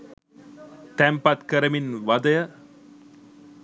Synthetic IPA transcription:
t̪ɛmpat̪kəɾəminʋad̪əjə

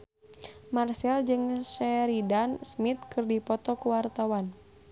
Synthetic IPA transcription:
marsɛld͡ʒɨŋʃɛɾidansmit̪̚kɨrdipɔt̪ɔkuwart̪awan

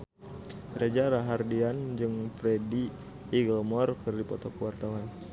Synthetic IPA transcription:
rʔad͡ʒaɾaɦardiand͡ʒɨŋfɾediː | ɡəlmɔrkɨrdipɔt̪ɔkəwart̪awan

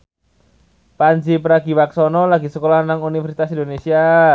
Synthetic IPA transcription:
paɲd͡ʒipəɾaɡ̥i̤waksɔnɔlaɡisəkolanaŋunifərsit̪asindonesia

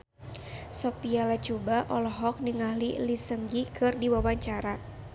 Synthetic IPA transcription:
sɔpialat͡ʃubaʔɔlɔɦɔk̚niŋahlḭlisəŋɡikʰɨrdiwawaɲt͡ʃaɾa

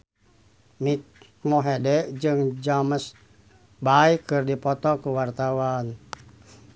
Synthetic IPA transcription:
mik̚ | mɔɦɛdɛʔd͡ʒɨŋd͡ʒaməs | baikɨrdipɔt̪ɔkuwart̪awan

